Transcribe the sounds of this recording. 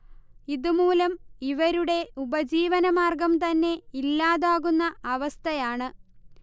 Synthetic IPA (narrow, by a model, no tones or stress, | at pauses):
iðumuːlɐmiʋɐɾuɽe̞ubɐd͡ʑiːʋɐnɐmaːrɡɐmt̪ɐnːe̞ilːaːðaːɣunːɐɐʋɐst̪ʰɐjaːɳɨ